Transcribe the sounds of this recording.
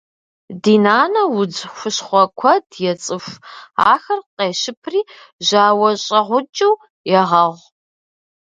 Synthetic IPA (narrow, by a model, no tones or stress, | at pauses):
diːnaːnɐwʊd͡zxʷʊɕχʷɔkʷʰɔdjɛt͡sʼɨfa̰ːxɐrqeːʃɪpʰriː | ʒaːwɐɕʼɐʁʷʊt͡ʃʼɪw | jɛʁɐʁʷ